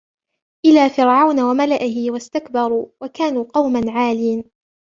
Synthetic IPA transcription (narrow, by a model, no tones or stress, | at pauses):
ʔɪlaːfɪɾʕawnawamalaʔɪɦɪwast̪akbɑɾˤuwakaːnuːqɑwmanʕaːliːn